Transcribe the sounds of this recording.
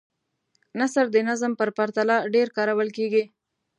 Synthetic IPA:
nasəɾd̪ənazəmpəɾpaɾt̪alɑɖeɾkɑɾawəlkeɡi

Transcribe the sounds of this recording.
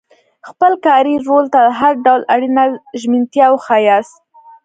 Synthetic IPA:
xpəlkɑɾiɾolt̪ad̪əɦaɾɖawlaɽinaʒmint̪jɑwxɑjɑs

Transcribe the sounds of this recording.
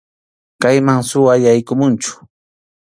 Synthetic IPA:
kajmaŋsʊwaʎajkʊmʊnt͡ʃʊ̥

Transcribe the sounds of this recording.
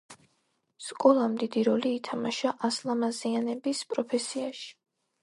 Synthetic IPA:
skʼɔlˠamd̪id̪iɾɔliːt̪ʰamaʃaʔaslˠamazianɛbispʼɾɔpʰɛsiaʃi̥

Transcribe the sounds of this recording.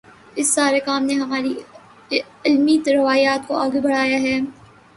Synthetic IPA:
ɪsːaːɾekaːmneɦɐmaːɾi | ɪlmit̪ɾɪʋaːjaːt̪koaːɡebɐɽ̤aːjaɦɛː

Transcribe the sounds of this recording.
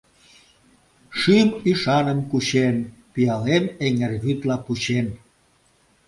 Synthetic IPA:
ʃymiʃɑnəmkuɕenpiɑlemeŋerβyt̪lɑput͡ɕen

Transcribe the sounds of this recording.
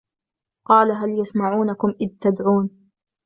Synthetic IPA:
qɑːlaɦaljasmaʕuːnakʊmʔɪðt̪ad̪ʕuːn

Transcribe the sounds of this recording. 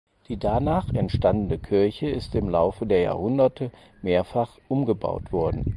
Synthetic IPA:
d̥iːdanaːχɛntʃtandən̩əkʰɪɐçəɪstɪmlaʊfədeːɐja̰ːɐhʊndɐtʰə | meːɐfaχʔʊmɡəba̰ʊtv̥ɔɐdn̩

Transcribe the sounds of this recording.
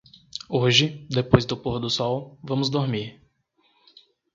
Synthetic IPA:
oʒɪd̪epojzd̪ʊpoɾd̪ʊsɔwvɐ̃mʊzd̪oɾmiɾ

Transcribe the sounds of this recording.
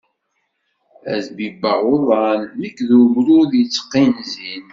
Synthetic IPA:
æzbibəʕoðˤɑnmikːðumɾuðjit͡sːə̥qːinzin

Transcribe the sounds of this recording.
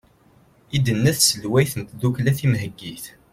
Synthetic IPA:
id̪ənːæθsəlwæjθnt̪ðuklæθimɦəɡːiθ

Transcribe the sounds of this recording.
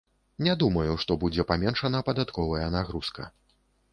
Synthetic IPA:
nʲɛd̪umɐjuʂt̪ɔbud͡zʲɛpamʲɛnʂɐnɐpɐd̪at̪kɔvɐjɐnaɣɾuskɐ̰

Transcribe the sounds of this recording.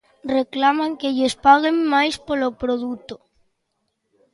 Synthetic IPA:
reklamaŋkeʎespaɣemːajspolopɾoðut̪o

